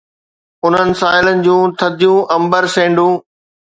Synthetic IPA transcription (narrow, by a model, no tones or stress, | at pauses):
ʊn̤ənɪ̆saːɪlənɪ̆d͡ʑũːt̪ʰɐd̪ʱijũːʔɐ̃mbəɾsẽːɳɖũː